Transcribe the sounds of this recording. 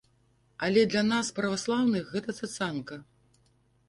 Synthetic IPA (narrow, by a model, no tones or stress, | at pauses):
ɐlʲɛd̪lʲɐnaspɾɐvaslˠawnɨxɣɛt̪ɐt̪sat̪sankɐ